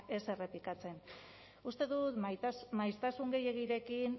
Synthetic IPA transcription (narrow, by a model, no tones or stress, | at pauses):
ʔe̞se̞re̞plikat͡se̞n | ust̪e̞ðut̪majst̪asuŋɡe̞je̞ɣ̞iɾe̞kin